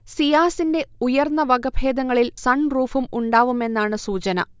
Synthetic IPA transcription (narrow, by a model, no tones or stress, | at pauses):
sijaːsinde̞ujɐrnːɐʋɐɡɐbʱe̞ːd̪ɐŋːɐɭilsɐɳruːfumuɳɖaːʋume̞nːaːɳɨsuːt͡ɕɐnɐ̰